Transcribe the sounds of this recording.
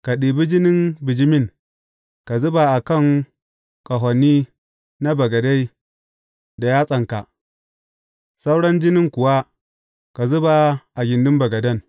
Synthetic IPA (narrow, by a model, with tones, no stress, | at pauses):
ka˨ɗiː˨bi˦d͡ʒɪ˦nɪ˦nbɪ˨d͡ʒɪ˦mɪ˦˨ŋ | ka˨zʊ˦ba˨ʔa˨kɐ˦˨ŋ | kʼɐ˨ɦɔ˨nːiː˦ | na˦bɐ˨ɡɐ˨da˦j | da˨jaː˦sʼɐ˨ŋka˨ʔ | sa˦wɽɐ˦nd͡ʒɪ˦nɪ˦ŋkʷʊ˨wa˦ | ka˨zʊ˦ba˨ʔa˨ɡʲɪ˨ndɪ˦mbɐ˨ɡɐ˨dɐ˦˨n